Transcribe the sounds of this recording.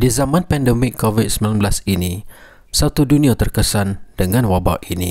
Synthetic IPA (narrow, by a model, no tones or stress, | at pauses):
dizamãnpɛndəmɪkʰːovit̪̚səmilanbəlasinĩ | sat̪udunĩat̪ərkəsand̥əŋãnwaba̰ʔinḭ̃